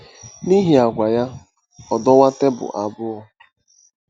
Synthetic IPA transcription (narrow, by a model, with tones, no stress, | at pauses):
ni˦ɦi˨a˨ɡʷa˨ja˦ | ɔ˨dɔ˦wa˦te˦bʊ̰˨ʔa˨bʊ˦ɔ˦